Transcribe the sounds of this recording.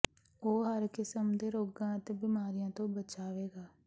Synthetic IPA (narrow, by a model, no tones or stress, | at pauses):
oːɦəɾkɪsəmd̪eːɾoːɡãːət̪eːbɪmaːɾijãːt̪õːbət͡ʃaːʋeːɡaː